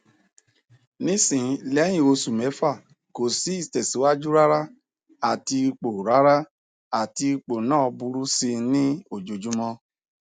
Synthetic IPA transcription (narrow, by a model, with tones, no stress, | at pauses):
nĩ˦sĩ˨˦lɛ˨˦j̃ĩ˦˨o˧su˨mɛ˨˦fa˦˨ | ko˨si˨˦i˦˨tɛ˨si˨˦wa˦d͡ʒu˦ɾa˦ɾa˦ | a˨ti˧k͡po˨ɾa˦ɾa˦ | a˨ti˧i˧k͡po˨nãː˦˨ɔ˧bu˧ɾu˦si˧nĩ˦o˦˨d͡ʒo˨d͡ʒu˨˦mɔ̃˧